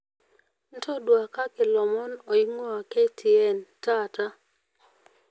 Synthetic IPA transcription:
n̩˦tʰɔ˦dwa˨ka˦kɪ˨lɔ˨mɔ˦nɔ˨i˦ŋɔ˦a˨ke˦tʰi˨ɛ˨nta˦ta˦

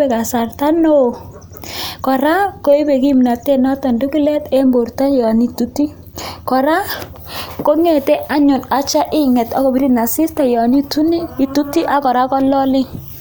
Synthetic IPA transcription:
e˨ka˨sa˨rta˦no˦˨ | kɔ˨ɾa˦ko˦e˦be˨ki˦mna˨te˦nɔ˦tɔ˨ndu˦ki˦lɛ˦te˦mbo˨rta˦jɔ˨ni˦tu˦ti˦ | kɔ˨ɾa˦ | ko˦ŋe˨te˦ʔa˦ɲʊ˨na˨t͡ʃa˦ʔɪ˦ŋɛ˨tɔ˦kɔ˨bi˦ɾi˦na˨sɪ˦sta˨jɔ˨ni˦tu˦n˦i˨tu˦ti˦ʔa˨˦kɔ˨ɾa˦kɔ˦lɔ˦lɪ˦ŋ

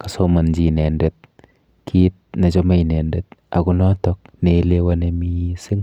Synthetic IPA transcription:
kḁ˨soma˨nd͡ʒi˨nɛ˨ndɛt̚ | kʰi˦t̚na˨t͡ʃɔ˦ma˦i˨nɛ˨ndɛt̚a˨ku˦nɔ˦tɔk̚ne˨˦le˦wa˦nemi˦si˦ŋ

